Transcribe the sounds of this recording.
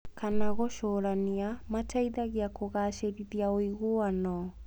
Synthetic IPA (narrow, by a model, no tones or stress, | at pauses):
kanaɣoʃoːɾaniamataiðaɣeakoɣaːʃeɾiðiaoiɣoanɔ